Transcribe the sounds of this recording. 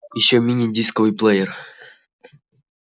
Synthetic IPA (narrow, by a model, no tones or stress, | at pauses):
jɪɕːomʲinʲidʲiskəvɨjplˠɛjɛr